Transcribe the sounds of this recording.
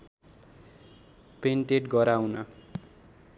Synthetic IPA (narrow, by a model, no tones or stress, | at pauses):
penʈeʈɡʌɾawnʌ